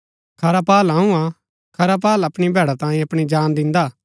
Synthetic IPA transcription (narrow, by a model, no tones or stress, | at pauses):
kʰɐɾapaːlɦãũa | kʰɐɾap̬aːlɐpɽ̃ibʱɛːɽat̪ãːĩɐpɽ̃id͡ʒaːnd̪ɪ̃nd̪aː